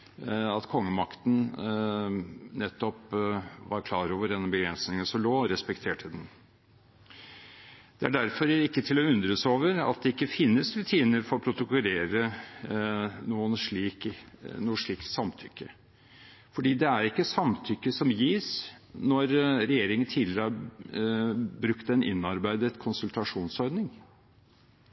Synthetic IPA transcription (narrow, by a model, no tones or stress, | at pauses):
ɑt̪kʰɔŋːəmɑkt̪n̩ | nɛt̪ːɔpʋɑɾkʰlɑːɾoːʋəɾɛnːəbəɡɾɛnsnɪŋənsɔmloːɾɛspɛkt̪ʰeːʈʰəd̪ɛn | d̪̥ɛæ̰ɖæɾfɔɾɪkːət̪ʰɪlɔʉnd̪ɾəsoːʋəɾɑ̰t̪̚d̪ɛɪkːəfɪnːəsɾʉt̪ʰiːnəɾfɔɾɔpʰɾʊt̪ʊkʊleːɾə | nuːənʂɭiːknuːəʂɭiːkt̪sɑmt̪ʰʏkːə | fɔɖiːd̪ɛæɾɪkːəsɑmt̪ʰʏkːəsɔmjiːs | nɔɾɾɛjeːɾɪŋənt̪ʰiːd̪lɪɾəæ | bɾʉkt̪ɛnɪ̰nːɑɾbæɪd̪ət̪kʰʊnsʉlt̪ɑʂuːnsɔɾd̪nɪŋ